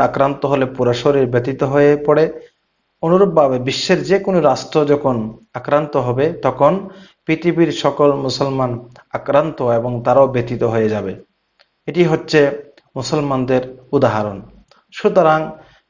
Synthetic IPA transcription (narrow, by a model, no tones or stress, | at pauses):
akɾant̪oɦolepuɾaʃoɾiɾbet̪it̪oɦoepɔɽe | onuɾob̚bʱabebiʃːeɾd͡ʑekonoɾasʈod͡ʑɔkʰonakɾant̪oɦɔbet̪ɔkʰon | pit̪ibiɾʃɔkolmusɔlman | akɾant̪oeboŋt̪aɾaobet̪it̪oɦojed͡ʑabe | eʈiɦotːɕʰe | musɔlmand̪eɾud̪aɦaɾon | ʃut̪oɾaŋ